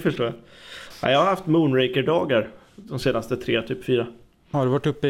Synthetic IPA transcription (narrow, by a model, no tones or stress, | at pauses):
fəʂʈoːjaa̰ɪjɑːhaɾhaft̪muːnɾɛkəɖɑːɡaɾ | d̪ɔmseːnast̪ət̪ʰɾeːt̪ʰyːpfyːɾa | haɖɛvaʈːɵpːə